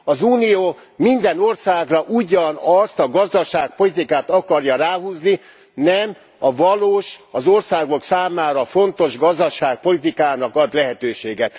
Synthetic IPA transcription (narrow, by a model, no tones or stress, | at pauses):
ɒzuːnijoː | mind̪ɛno̞rsaːɡrɒʔuɟɒnɒst̪ɒɡɒzd̪ɒʃaːk̚po̞lit̪̬ikaːt̪ɒkɒrjɒɾaːɦuːzni | nɛm | ɒvɒloːʃɒzo̞rsaːɡo̞ksaːmaːɾɒfo̞nt̪o̞ʒɡɒzd̪ɒʃaːk̚po̞lit̪ikaːnɒkɒd̪lɛɦɛt̪øːʃeːɡɛt̪